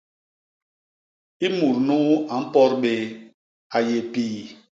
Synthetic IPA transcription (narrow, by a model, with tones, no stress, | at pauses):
i˦mu˨ɾnu˦a˨m̩˦pɔ˦ɾɓe˦ | a˨je˨piː˨